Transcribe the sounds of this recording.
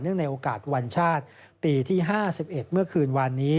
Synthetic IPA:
nɯ˥˩əŋna˧jʔoː˧kaː˨˩t̪̚wa˧nt͡ɕʰaː˥˩t̪̚ | piː˧t̪ʰiː˥˩ɦaː˥˩si˨˩p̚ʔe˨˩t̪̚mɯ˥˩ɐkʰɯː˧nwaː˧nːiː˦˥

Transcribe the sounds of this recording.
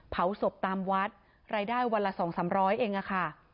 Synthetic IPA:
pʰa˩˦wso˨˩p̚t̪aː˧mwa˦˥t̪̚ | ɾaː˧jdaː˥˩jwa˧nla˧sɔː˩˦ŋsaː˩˦mɾɔː˦˥jʔeː˧ŋʔa˧˩kʰa˥˩

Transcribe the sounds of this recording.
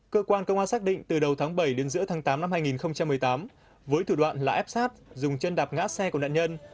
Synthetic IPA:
kəː˧kwaː˧nkə˧wŋ͡mʔaː˧saː˦˥k̚ɗḭ˧˨ŋ̟t̪ɨ˨˩ɗə˨˩wt̪ʰaː˨˦ŋɓə˧˩jɗe˨˦nzɨ̰˧˥ət̪ʰaː˨˦ŋt̪aː˨˦mna˧mhaː˧jŋi˨˩nxə˧wŋ͡mt͡ɕa˧mː˨˩əjt̪aː˨˦m | vəː˨˦jt̪ʰu˧˩ɗwa̰ː˧˨nlaː˨˩ʔɛ˦˥p̚saː˦˥t̚zʊ˨˩ŋ͡mt͡ɕə˧nɗaː˨˩p̚ŋa̰ː˧˥sɛ˧ku˧˩na̰ː˧˨ɲə˧n

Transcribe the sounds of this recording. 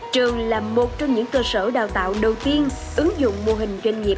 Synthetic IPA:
t͡ɕɨ˨˩əŋlaː˨˩mo˨˩t̚t͡ɕɔ˧ŋ͡mɲɨ̰˧˥ŋkəː˧səː˧˩ɗaː˨˩wt̪a̰ː˧˨wɗə˨˩wt̪i˧ən | ʔɨ˨˦ŋzʊ̰˧˨ŋ͡mmo˧ɦï˨˩ŋ̟zwa˧ŋ̟ŋi˨˩ə

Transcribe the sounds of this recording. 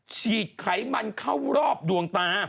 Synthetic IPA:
t͡ɕʰiː˨˩t̪̚kʰa˩˦jma˧nkʰa˥˩wɾɔː˥˩p̚du˧əŋt̪aː˧

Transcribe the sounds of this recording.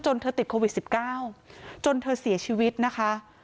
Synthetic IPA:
t͡ɕo˧nt̪ʰɤː˧t̪i˨˩t̪̚kʰoː˧wi˨˩t̪̚si˨˩p̚kaː˥˩wt͡ɕo˧nt̪ʰɤː˧si˨˩˦ɐt͡ɕʰiː˧wi˦˥t̪̚na˦˥kʰa˦˥ʔ

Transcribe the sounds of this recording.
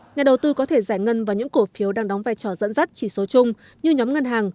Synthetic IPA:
ɲaː˨˩ɗə˨˩wt̪ɨ˧kɔ˨˦t̪ʰe˧˩zaː˧˩jŋə˧nvaː˨˦jɲɨ̰˧˥ŋko˧˩fi˨˦əwɗaː˧ŋɗɔ˨˦wŋ͡mvaː˧jt͡ɕɔ˧˩zə̰˧˥nzə˦˥t̚t͡ɕi˧˩so˨˦t͡ɕʊ˧ŋ͡m | ɲɨ˧ɲɔ˨˦mŋə˧nɦaː˨˩ŋ

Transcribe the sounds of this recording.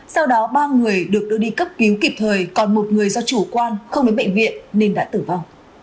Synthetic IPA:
sa˧wɗɔ˨˦ɓaː˧ŋɨ˨˩əjɗɨ˨˩ək̚ɗɨ˧ɗi˧kə˦˥p̚ki˨˦wki˨˩p̚t̪ʰəː˨˩jkɔ˨˩nmo˨˩t̚ŋɨ˨˩əjzɔ˧t͡ɕu˧˩kwaː˧nxə˧wŋ͡mɗoː˨˦jɓə̰˧˨ŋ̟vḭ˧˨ənːe˧nɗa̰ː˧˥t̪ɨ˧˩va˧wŋ͡m

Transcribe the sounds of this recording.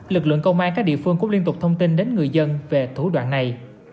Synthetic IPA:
lɨ˨˩k̚lɨ̰˧˨əŋkə˧wŋ͡mʔaː˧nkaː˦˥k̚ɗḭ˧˨əfɨ˧əŋku˧˥li˧nt̪ʊ˨˩k͡p̚t̪ʰə˧ŋ͡mt̪i˧nɗe˨˦nŋɨ˨˩əjzə˧nve˨˩t̪ʰu˧˩ɗwa̰ː˧˨nːa˨˩j

